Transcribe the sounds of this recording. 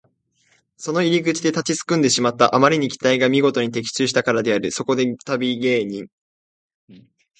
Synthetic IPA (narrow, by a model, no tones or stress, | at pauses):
so̞no̞iɾʲiɡɯ̟t͡ɕid̪e̞t̪at͡ɕit͡sɨ̥kɯ̟̃nd̪eɕimat̪ːaʔamaɾʲiɲ̟ikʲi̥t̪aiɡamʲiɡo̞t̪o̞ɲ̟it̪e̞kʲi̥t͡ɕɨːɕi̥t̪akaɾad̪e̞aɾɯ̟so̞ko̞d̪e̞t̪abʲiɡe̞ːɲ̟ĩŋ